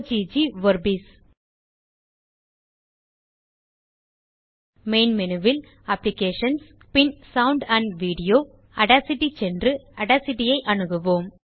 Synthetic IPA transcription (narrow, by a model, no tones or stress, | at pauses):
d͡ʒid͡ʒiʋɐɾbis | meːnmɛnɯʋɪl | ɐplɪkeːʂɐns | pɪnsɐwʊɳɖɐɳʋiːɽɪjoː | ɐɽasɪʈːit͡ʃɛndrɯɐɽaːsɪʈːɪjɐɪʔɐɳɯɣɯʋoːm